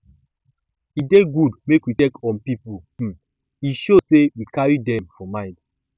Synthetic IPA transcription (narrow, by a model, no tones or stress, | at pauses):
ideɡudmekwitekɔ̃npipu | iʃosewikaɹidɛ̃mfɔmãɪ̃nd